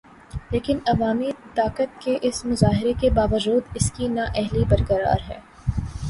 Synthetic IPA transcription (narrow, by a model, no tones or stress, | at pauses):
leːkɪnɐʋaːmit̪aːkət̪̚keʔɪsmʊzaːɦɪɾekebaːʋəd͡ʒuːd̪ɪskinaʔɛɦlibɐɾkəɾa̰ːɾɦɛ̰ː